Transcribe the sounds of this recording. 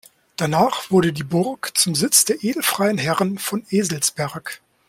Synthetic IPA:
d̥anaːχv̥ʊɐdədiːbʊʁkt͡sʊmzɪt͡sd̥eːɐʔeːdl̩fʁ̥aɪənɦɛʁənfɔneːzl̩sb̥ɛɐk

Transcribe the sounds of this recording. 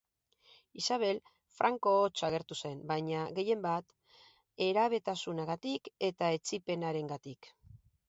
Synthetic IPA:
isaβ̞e̞l | fɾʔaŋko̞ːt͡ʃaɣ̞e̞ɾt̪use̞mbaɲaɣe̞je̞mbat̪ | e̞ɾaβ̞e̞t̪asunaɣat̪ike̞t̪ae̞t͡sipe̞naɾe̞ŋɡat̪ik

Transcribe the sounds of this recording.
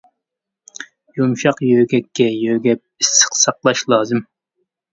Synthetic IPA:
jumʃɑqjøɡʲɛkʲːɛjøɡʲɛp̚isːə̥qsɑqlˠɑʃlˠɑːzɨm

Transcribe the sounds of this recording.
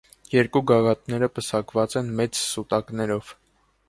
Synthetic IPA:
jɛɾkuɡɑɡɑt̪nɛɾəpəsɑkvɑt͡sɛnmɛt͡ssut̪ɑknɛɾɔv̥

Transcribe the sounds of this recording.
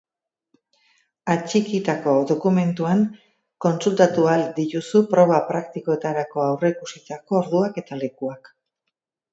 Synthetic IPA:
at͡ʃikit̪ako̞ðo̞kume̞nt̪uaŋ | ko̞nsult̪at̪uald̪iɾusupɾo̞β̞apɾakt̪iko̞e̞t̪aɾako̞awre̞ikusit̪ako̞ːɾðuake̞t̪ale̞kuak

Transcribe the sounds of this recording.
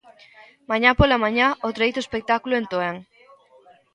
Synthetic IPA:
mãɲapolamaɲaot̪ɾajt̪oespek̚t̪akuloent̪oeŋ

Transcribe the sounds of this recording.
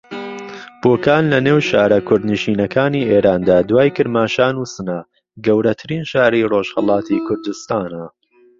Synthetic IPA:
b̥oːkaːnlɐneːwʃaːɾɐkʰʊɾd̪niʃiːnɐkʰaːniːʔeːɾaːnd̪aːd̪waːjkɨɾmaːʃaːnuːsɨna | ɡɐwɾɐt̪ʰɨɾiːnʃaːɾiroʒhəlˠɑːt̪ʰikʰʊɾd̪ʊst̪aːnɐ

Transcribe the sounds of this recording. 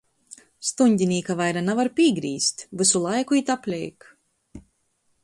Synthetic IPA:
st̪uɲʲɟʲinʲiːkavajɾanavaɾpʲiːɡɾiːst̪vɨsulˠajkuit̪aplʲɛ̰jk

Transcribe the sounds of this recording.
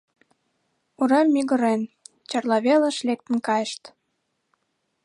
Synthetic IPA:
uɾemːiɣə̆ɾen | t͡ɕɑrlɑβelə̆ʃlek̚t̪ə̆nkɑjəʃt̪

